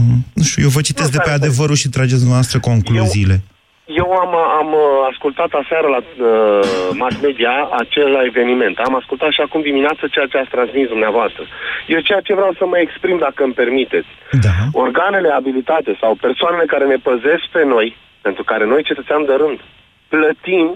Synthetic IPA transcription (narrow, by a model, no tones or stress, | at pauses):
nuʃt̪ujewvət͡ʃit̪es̬d̪epead̪e̞vəɾuʃit̪ɾad͡ʒet̪sd̪unvavast̪ɾəko̞ŋkluziːle̞ | je̞wamamaskult̪at̪aseaɾəlaəmasme̞d̪iaat͡ʃe̞llae̞ve̞nime̞nt̪amaskult̪at̪ʃiakumd̪imineat̪sət͡ʃejat͡ʃeat̪sʲt̪ɾansmisd̪umneavoast̪ɾəje̞wt͡ʃejat͡ʃe̞vɾeawsəməekspɾimd̪akəɨmpe̞rmit̪e̞t̪sʲd̪ao̞rɡane̞le̞abilit̪at̪e̞sawpe̞rsoane̞le̞kaɾe̞ne̞pəze̞sk̚pe̞no̞j | pent̪ɾukaɾe̞no̞jt͡ʃe̞t̪ət̪sʲand̪eɾɨnd̪ | plət̪im